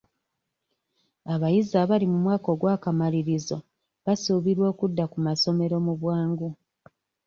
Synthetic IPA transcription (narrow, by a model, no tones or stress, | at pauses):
aβajizaβalimumwaːko̞ɡwaːkamaliɾizo | βasuːβiɾwo̞ːkudːakumaso̞me̞ɾo̞muβwaːŋɡu